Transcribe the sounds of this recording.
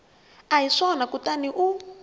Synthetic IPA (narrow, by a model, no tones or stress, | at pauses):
aiʂɔnakutaniʔu